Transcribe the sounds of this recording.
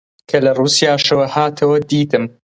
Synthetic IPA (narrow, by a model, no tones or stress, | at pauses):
kʰɐlɐruːsijaːʃɐwɐhaːt̪ʰɐwɐd̪iːt̪ɨm